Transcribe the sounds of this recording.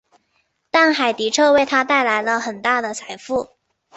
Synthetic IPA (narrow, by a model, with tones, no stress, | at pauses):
t̪a˥˩nxa˨˩ɪt̪i˧˥ʈ͡ʂʰɤ˥we˥˩ɪt̪ʰa˥t̪a˥˩ɪla˧˥ɪlə˧xə˨˩nt̪a˥˩d̪ə˩t͡sʰa˨˩ɪfu˥˩